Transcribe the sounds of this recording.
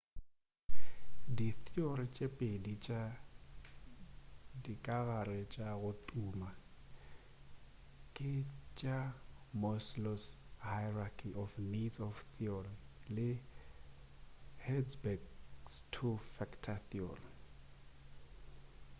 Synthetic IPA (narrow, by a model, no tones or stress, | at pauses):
diθiorit͡ʃʼepʼedit͡ʃʼa | dikʼaɣarɪt͡ʃʼaɣʊtʼuːma | kʼɪt͡ʃʼamɔslɔshaɪrakʰiʔɔfnidsɔfθʰiɔrilɪ | hɛsbɛɡstʰufɛkʰtʰaθiɔri